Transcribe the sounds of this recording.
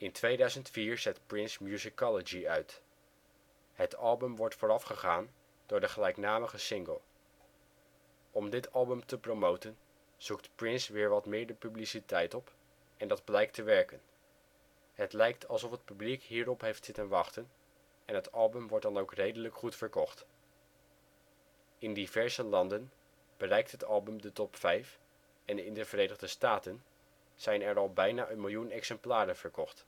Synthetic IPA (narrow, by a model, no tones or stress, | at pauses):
ɪntʋejdœɥzəntfiːɹzɛtprɪnsmjuzikɑləd͡ʒiœɥt | ɦətɑlˠbəmʋɔɹtfʊːɾɑfχəχaːn | d̥ʊːɹdəχəlɛjknaːməχəsɪŋɡəlˠ | ɔmdɪtɑlˠbəmtəpromowtən | z̥uktprɪnsʋɪːɹʋɑtmɪːɹdəpyblisitɛjtɔp | ɛndɑd̚blɛjk̚təʋɛɹkən | ɦətlɛjk̚tʰɑlˠsɔfɦət̚pyblikɦiːɹɔpɦejftsɪtənʋɑχtən | ɛnɦətɑlˠbɵmʋɔɹtdɑnowkrejdələkχutfəɹkɔχt | ɪndivɛɹzəlɑndən | b̥ərɛjk̚tɦətɑlˠbəmdətɔpfɛjf | ɛnɪndəvəɾejnəʁdəstaːtən | z̥ɛjnɛɹɑlˠbɛjnaːʔənmɪlˠjunɛksɛmplaːɾənv̥əɹkɔχt